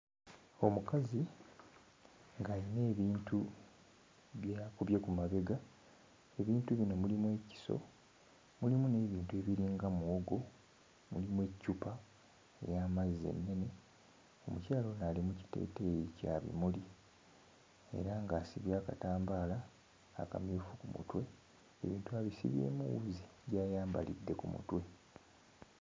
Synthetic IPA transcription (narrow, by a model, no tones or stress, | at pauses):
o̞mukazi | ŋɡaine̞ːβiːntʰu | βjakuβjekumaβe̞ɡa | e̞βiːntuβino̞mulimwe̞ci̥so̞̰ | mulimune̞ːβiːntue̞βiɾiːŋɡamuwoɡo̞ | mulimwecːupa | ḛjamazːe̞̰nːe̞ne̞ | o̞mucaːlo̞naːlimuci̥te̞̰ːtejica̰ːβḭmuli | e̞̰ɾaŋɡaːsiβjaːkataːmbaːla̰ː | ka̰mifukumṵtwe̞ | eβiːntuaβisḭβje̞̰ːmuwuziɟaːjaːmba̰lḭdːe̞kumṵtwe̞